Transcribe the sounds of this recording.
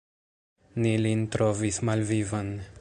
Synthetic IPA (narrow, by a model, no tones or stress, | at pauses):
nilintɾovismalvivan